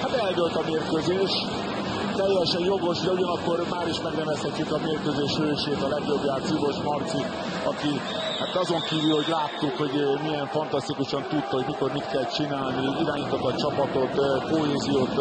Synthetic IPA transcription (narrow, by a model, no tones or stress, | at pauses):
hat̪ɛljølt̪ɒmeːrkøzeːʃ | t̪ɛjːɛʃɛjjo̞ɡo̞ʃd̪ɛuɟɒnɒkːo̞rmaːɾiʃmɛɡnɛvɛshɛcːykɒmeːrkøzeːʃøːʃeːt̪ɒlɛɡjo̞bjaːrt̪sivo̞ʃmɒrt̪sik | ɒki | hat̪ɒzo̞ŋkiːvylho̞ɟlaːt̪ːukho̞ɟmijɛɱfɒnt̪ɒst̪ikuʃɒnt̪ut̪t̪ho̞ɟmiko̞rmit̪kɛlt͡ʃinaːlniiɾaːɲit̪ot̪ːɒt͡ʃɒpɒt̪o̞t̪koɦeːzijoːt̪